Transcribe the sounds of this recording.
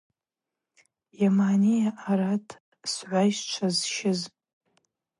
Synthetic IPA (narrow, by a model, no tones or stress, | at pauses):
jamaːnijaʔaɾatʰ | sʕʷajʒt͡ʃʷʰazʃɪz